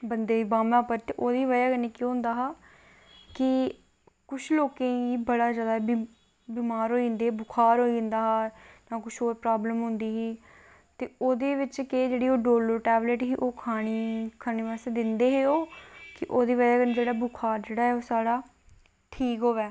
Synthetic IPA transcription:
bənd̪eːiːbãːmãːpəɾt̪eʔoːd̪iːʋəjaːkəniːkõːɦʊ̃nd̪aːɦaː | kɪ | kʊt͡ʃʰloːkẽːiːbəɽaːzjaːd̪aːbi | biːmaːɾɦoːĩnd̪eːbʊkʰaːɾɦoːiːɪnd̪aːɦaːnãːkʊt͡ʃʰoːipɾaːbləmɦʊ̃nd̪iːɦiː | t̪eːoːd̪eːʋɪt͡ʃkeːd͡ʒeːɽiːoːɖoːləɾʈɛːbleːʈɦiːʔoːkʰaːɽ̃iːkʰaːniːʋaːst̪eːd̪ɪnd̪eːɦeːoːkɪʔoːd̪iːʋəːjaːkəniːd͡ʒeːɽaːbʊkʰaːɾd͡ʒeːɽaːɦɛːoːsaːɽaː | ʈʰiːkɦoːʋɛː

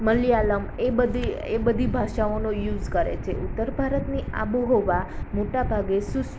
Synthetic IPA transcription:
məlialəmebəd̪i | ebəd̪ʱibʱaʃaonojud͡ʒkəɾḛt͡ʃʰḛʔut̪ːəɾbʱaɾət̪nia̰buɦoʋamoʈabʱaɡesus

